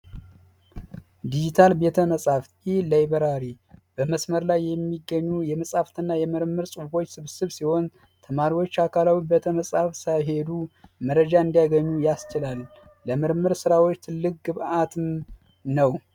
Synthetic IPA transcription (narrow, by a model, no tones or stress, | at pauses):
d̪id͡ʒit̪ʰalbe̞t̪ʰəməsʼaft̪ilajbəɾaɾi | b̥əməsməɾlajːɛmːiɡːəɲːujɛməsʼaft̪ɨnːajɛmɨɾmːɨɾsʼufo̞t͡ʃːsɨβsɨβsiho̞n | t̪ʰəmaɾiwo̞t͡ʃːakʰalawibe̞t̪ʰəməsʼafsajɦe̞d̪uməɾəd͡ʒaɨnd̪ijaɡəɲːujast͡ʃɪlalː | əmɨɾmːɨɾsɨɾawot͡ʃːt̪ʰɨlːɨk̚ɡɨβat̪ʰɨm | nəw